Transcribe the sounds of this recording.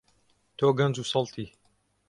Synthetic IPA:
t̪ʰoːɡɐnd͡zuːsɑlˠt̪ʰiː

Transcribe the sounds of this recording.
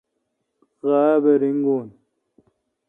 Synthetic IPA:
ɣaːbeɾiŋɡoːn

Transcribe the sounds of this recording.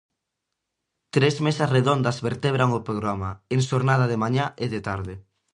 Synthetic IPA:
t̪ɾezmesasreðond̪azβeɾt̪eβ̞ɾaŋopɾoɣɾamaeŋʃoɾnað̞aðemaɲaʔeðet̪aɾðɪ

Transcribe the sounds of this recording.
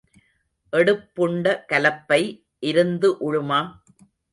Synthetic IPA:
ʔɛɽɯpːʊɳɖɐkɐlɐpːɐɪ | ʔɪɾɯnd̪ɯʔʊɻɯmaː

